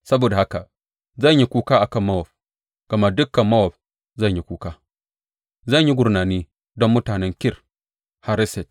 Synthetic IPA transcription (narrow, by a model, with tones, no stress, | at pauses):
sɐ˦boː˨da˨ha˦ka˨ | zɐ˦˨ɲji˦kʷuː˦kaː˦ʔa˨kɐ˦˨mːɐ˦wɔ˨ɸ | ɡ̥ɐ˨ma˦dʊ˦kːɐ˨mːɐ˦wɔ˨ɸ̚ | zɐ˦˨ɲji˦kʷuː˦kaː˦ | zɐ˦˨ɲji˦ɡʷʊ˨ɾnaː˨niː˦ | dɔ˦mːʊ˦taː˨nɛ˦ŋkʲɪ˦r | ha˦ɾɪ˦sɛ˨t̚